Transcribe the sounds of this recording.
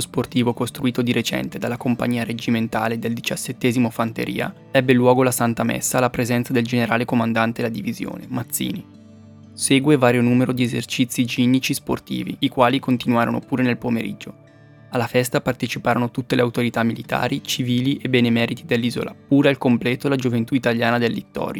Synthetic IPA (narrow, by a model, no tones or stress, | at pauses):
osport̪iːvokost̪ɾuiːt̪od̪iɾet͡ʃɛ̰nt̪ed̪alːakompa̰ɲːiːaɾed͡ʒiment̪a̰ːled̪eld̪it͡ʃasːet̪ːɛːzimofant̪ḛɾʔḭːa̰ | ɛbːelwɔːɡolasant̪amɛ̰sːaːlːapɾezɛnsad̪eld͡ʒeneɾaːlekomand̪ant̪elːad̪ivizjo̰ːnḛmat̪sːḭːni | seːɡwevaːɾjonuːmeɾod̪iezḛrt͡ʃit̪sːid͡ʒinːit͡ʃispo̰rt̪ḭːvḭikwaːlikont̪inwaːɾono̰puːɾenelpomeɾḭd͡ʒːo | alːafɛst̪apart̪et͡ʃipaːɾonot̪ut̪ːeleawt̪oɾit̪amːilit̪a̰ːɾit͡ʃiviːliʔebenemɛːɾit̪id̪elːiːzo̰lʔap̚uːɾealkomplɛːt̪olad͡ʒovent̪uit̪aʎjaːnad̪elːit̪ːɔ̰ːɾja